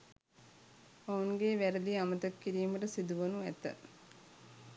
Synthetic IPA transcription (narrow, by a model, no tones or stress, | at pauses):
ɐuŋɡeːʋæɾɐd̪iamɐt̪ɐkːiɾiːmɐʈəsid̪uʋɐnuæ̰t̪ɐ̰